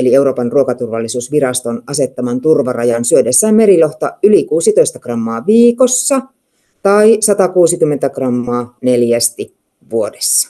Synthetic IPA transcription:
elie̞uwɾo̞ːpɑnruokɑt̪urʋɑlːisuːsʋirɑst̪onʔɑse̞t̪ːɑmɑnt̪urʋɑrɑjɑnsyødesːæːmme̞ɾiloht̪ɑylikuːsit̪oist̪ɑkrɑmːɑːʋiːkosːɑ | t̪ɑisɑt̪ɑkuːsikymːent̪ækrɑmːɑːne̞ljæst̪i | ʋuodesːɑ̥

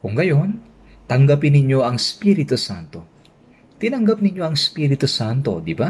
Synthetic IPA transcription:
kʊŋɡɐjo̞n | t̪ɐŋɡapɪnɪɲo̞ʔɐŋɪspiɾɪt̪usant̪o̞ | t̪ɪnɐŋɡap̚nɪɲjo̞ɐŋspiɾɪt̪usant̪o̞̰d̪ɪba

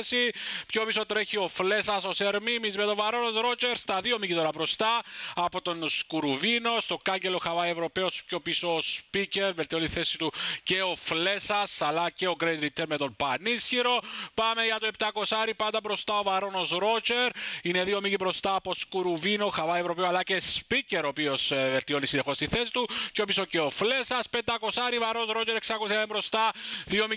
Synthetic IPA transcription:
sipço̞pisot̪eɾeçio̞fle̞sɐsoseɾmimizmet̪o̞vɐɾo̞nozɾo̞t͡ʃeɾst̪ɐðio̞micit̪oɾɐpɾo̞st̪ɐɐpo̞t̪o̞nskuɾuvino̞st̪okɐɲɟeloxavɐievɾo̞peospco̞pisoːspice̞ɾvelt̪iont̪iθesit̪uce̞ofle̞sɐsɐlːɐceo̞kɾejt̪ɾit̪ːeɾmet̪o̞mpɐnisçiɾo̞pɐme̞ʝɐt̪oe̞p̚t̪ɐko̞saɾipɐnd̪ɐbɾo̞st̪ɐovɐɾo̞no̞sɾo̞t͡ʃeɾine̞ðio̞micibɾo̞st̪ɐːpo̞skuɾuvinoxavɐevɾo̞peoalːɐcespiceɾo̞pio̞svelt̪io̞nisine̞xo̞st̪iθesit̪uceopisoceofle̞sɐspend̪ɐko̞saɾivɐɾosɾo̞ceɾeksɐkoluθiɐnembɾo̞st̪ɐðio̞mi

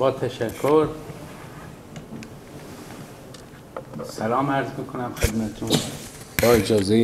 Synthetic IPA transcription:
bɒːt̪ʰæʃækʰːoɾ | sælɑːmæɾzmikʰonæmxed̪mæt̪ʰet̪ʰunbɒːed͡ʒɒːze

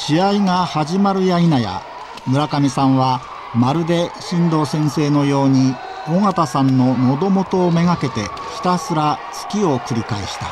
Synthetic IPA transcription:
ɕiaiŋahaʑimaɾɯ̟jainaja̰ | mɯ̟ɾakamʲisãɰ̃βa | maɾɯ̟d̪e̞ɕĩnd̪o̞ːsẽ̞ɰ̃se̞ːno̞jo̞ːɲ̟i | oŋat̪asãnːo̞no̞d̪o̞mo̞t̪o̞ːme̞ŋake̞t̪e̞̰ | çi̥t̪asɨɾat͡sɨ̥kʲio̞kɯ̟ɾʲikaḛɕi̥t̪ḁ̰

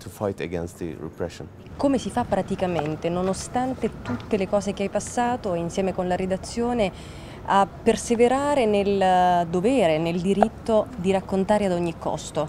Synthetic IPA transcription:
tʰufajtə̰ɡɛ̃nst̪ðə̰ɹɛ̰pʰɹɛʃə̰̃n | komesifapːɾat̪ikament̪enonost̪ant̪et̪ut̪ːelekɔːzekeajpasːaːt̪oinsjɛːmekonlaɾed̪at̪sːjoːne | apːerseveɾaːɾeneld̪ovɛːɾeneld̪iɾit̪ːod̪iɾakːont̪aːɾead̪ɔɲːikːɔ̰st̪o

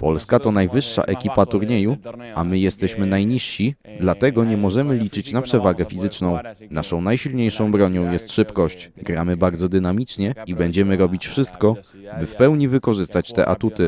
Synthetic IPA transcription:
pɔlskat̪ɔnajvɘʂːa̰ʔɛkʲipat̪uɾɲejuamɘjɛst̪ɛɕmɘnajɲiʂɕi | d̪lat̪ɛɡɔɲɛmɔʐɛmɘlʲit͡ʂɘt͡ɕnapʂɛvaɡɛfʲizɘt͡ʂnɔ̃w̃ | naʂɔ̃w̃najɕilɲejʂɔ̃w̃bɾɔɲɔ̃w̃jɛst̪ʂɘpkɔɕt͡ɕɡɾamɘbaɾd̪zɔd̪ɘnamʲit͡ʂɲɛibɛɲd͡ʑɛmɘɾɔbʲit͡ɕfʂɘst̪kɔ | bɘfpɛwɲivɘkɔʐɘst̪at͡ɕt̪ɛ̰ʔat̪ut̪ɘ

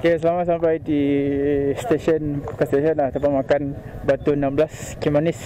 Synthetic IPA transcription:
kes̬əlamat̪sampajdi | st̪eʃɔnpo̥kast̪eʃɔnat̪apamakanbat̪uənamblaskimanis

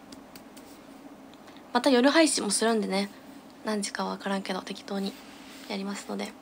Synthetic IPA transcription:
mat̪ajo̞ɾɯ̟ɦaiɕimo̞sɨɾɯ̟̃nd̪e̞ne̞ | nãɲ̟d͡ʑi̥kaβaβakaɾãŋke̞d̪o̞t̪e̞kʲi̥t̪o̞ːɲ̟i | jaɾʲimasɨ̥no̞d̪e̞

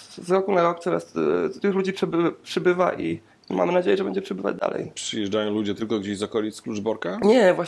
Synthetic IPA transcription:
zɾɔkunaɾɔk̚t̪sɔma̰st̪t̪ɘxlud͡ʑipʂɛbɘpʂɘbɘvaʔi | ma̰mɘnad͡ʑejɛʐɛbɛ̰ɲd͡ʑɛpʂɛbɘva̰d͡ʑd̪a̰lɛ̰jpʂɘjɛʐdajɔ̃w̃lud͡ʑɛt̪ɘlkɔɡd͡ʑeɕzɔkɔlʲit̪sklud͡ʐbɔɾkaɲɛvwa

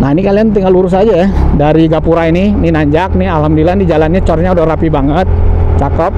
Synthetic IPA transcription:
naɦinikaliant̪iŋaluɾʊs̬ad͡ʒajdaɾiɡapuɾainininaɲd͡ʒak̚nɪalɦamdilanid͡ʒalanɲat͡ʃɔrɲaudahrapibaŋət̪̚t͡ʃakəp̚

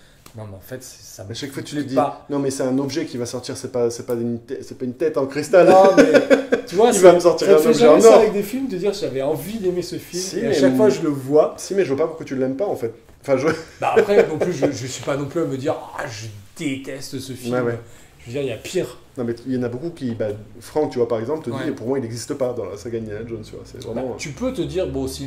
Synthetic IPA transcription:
nɔ̃mɛɑ̃fɛt̪sɛ̥saɛʃakfat̪yd̪ianɔ̃mɛsɛt̪ɛ̃nɔbʒɛkʲivasɔʁt̪iʁsɛpasɛpaynt̪ɛsɛpaynt̪ɛt̪ɑ̃kχist̪al̃mɛt̪yvwaivaməsɔʁt̪iʁɛ̃nɔbʒɛɑ̃nsɔ̃avɛk̚d̪efilmd̪əd̪iʁsiʒavɛɑ̃vid̪emesəfilmsiamɛʃakkfwaʒələvwasimɛʒəvwapapuʁkwat̪ylɛmpaɑ̃fɛt̪̚ | ɑ̃fɛ̃ʒəbaːpχɛnɑ̃lyʒəʒəsɥipanɔ̃plyaməd̪iʁaʒəd̪̥et̪ɛst̪səfiwlɛmwɛ | ʒ̥əvəd̪iʁiapʰiʁ | nɔ̃mɛiljɑ̃nabokukʲiba | fχɑ̃t̪yvwapaʁɛɡzɑ̃plt̪əd̪ipuʁmwailnɛɡzist̪əpad̪ɑ̃la̰saɡananaʒont̪yvwa̰sɛ̰vʁɛbɑ̃t̪ypøt̪əd̪iʁbɔ̃si

